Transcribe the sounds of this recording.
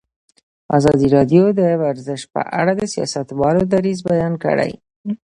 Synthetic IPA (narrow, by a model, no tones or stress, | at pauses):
ɑzɑd̪iɾɑd̪jod̪əwaɾzəʃ̚pə̰ʔa̰ɽad̪əsijɑ̰sat̪wɑlod̪aɾizbajɑnkə̰ɽa̰j